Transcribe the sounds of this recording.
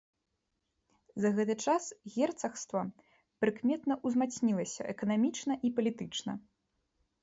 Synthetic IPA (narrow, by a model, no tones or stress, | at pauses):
zɐɣɛt̪̬ɨt͡ʂasɣʲɛrt̪sɐxst̪vɐ | pɾɨkmʲɛt̪nɐʔuzmat̪sʲnʲilˠɐsʲɐ̰ʔɛkɐnamʲit͡ʂnɐʔipɐlʲit̪ɨt͡ʂnɐ̰